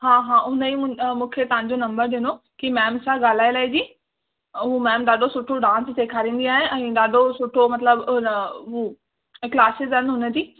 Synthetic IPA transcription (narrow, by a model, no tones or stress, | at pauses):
ɦãːɦãːʊnəĩmũːkʰet̪ɐʋ̤ãɲd͡ʑonɐ̃mbəɾɗɪno | kimɛːmsãɡaːl̤aːilaːid͡ʑiː | ɦuːmɛːmɗ̪aːɗʱosʊʈʰoɖãːst̪eːkʰaːɾĩːn̆d̪iaːɦɪɛ̃ːɗaːɗʱosʊʈʰomɐt̪ləbɦu | klaːsɪzɦənɦʊnə̆t̪iː